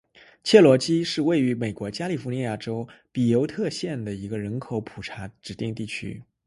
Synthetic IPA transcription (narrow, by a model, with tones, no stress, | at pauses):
t͡ɕʰjɛ˥˩lwɔ˧˥t͡ɕi˥ʂɻ̩˥˧we˥˩ɪy˧˥me˨˩ɪkwɔ˧˥t͡ɕja˥li˨˩fu˧˥ni˧˥ja˥˩ʈ͡ʂo˥ʊpi˨˩jo˧˥ʊt̪ʰɤ˥˧ɕjɛ˥˩nd̪ə˩i˧˥ɡə˧ɻə˧˥nkʰo˨˧˥ʊpʰu˨˩ʈ͡ʂʰa˧˥ʈ͡ʂɻ̩˨˩t̪i˥˧ŋt̪i˥˩t͡ɕʰy̰˥